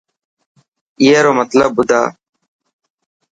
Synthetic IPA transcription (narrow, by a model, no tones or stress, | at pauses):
ɪjeːɾoːmət̪ləbːʊd̪ʱa̰ː